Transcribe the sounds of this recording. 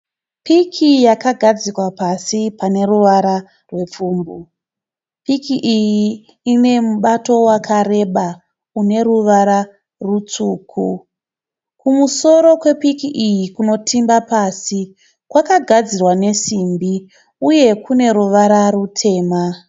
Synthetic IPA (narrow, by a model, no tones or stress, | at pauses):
pikʰijakaɡʱad͡zikwapasipane̞ruʋaɾa | rwe̞p͡fuːmbu | pikiʔijiː | ne̞muɓato̞wakʰaɾe̞ɓa | une̞ɾuʋaɾa | rut͡suːkʰu | kumuso̞ɾo̞kwe̞pikiʔijikuno̞tʰimbapaːsi | kwakaɡʱad͡zirwane̞simbi | uje̞kune̞ɾuʋaɾarutʰe̞ːma